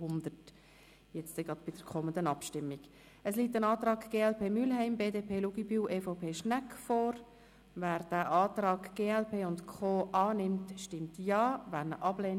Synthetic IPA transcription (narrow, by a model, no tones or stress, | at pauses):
ʊnd̪ət | jɛt͡stɛɡʁɑdb̥ɪd̥əɾkʰɔmənd̪ənɑpʃtɪmːiɡ̥ | əsliːtːənɑːtrɑːɡ̥ɡ̥eːɛlpʰeːmylɦɛɪmbeːdeːpʰeːluɡibyːʔeːfɔʊpʰeːʃnækfoːɾ | væːɾd̥æːʔɑːtɾɑːɡɡ̥eːɛlpʰeːʊntkʰoːʔɑːnɪmtʃtɪmtjɑːvæːɾnəʔɑb̥leːn